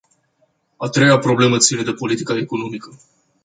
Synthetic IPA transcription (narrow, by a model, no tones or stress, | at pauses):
at̪ɾe̞japɾo̞ble̞mət̪sine̞d̪e̞po̞lit̪ikaeko̞no̞mikə